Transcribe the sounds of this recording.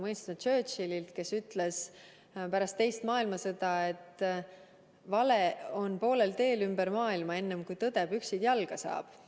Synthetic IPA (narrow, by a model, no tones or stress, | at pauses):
mɤjnst̪nɑt͡ʃø̞ːt̪ʃililt̪ke̞syt̪ˑle̞s | pæɾɑst̪ːe̞jst̪mɑːilmɑse̞d̪̥ɑe̞t̪ˑ | vɑle̞o̞npo̞ːle̞lt̪e̞ːlymbeɾmɑːilmɑe̞nːemkujt̪ɤd̪̥e̞b̥yksid̪̥jɑlɡ̥ɑsɑ̰ːb̥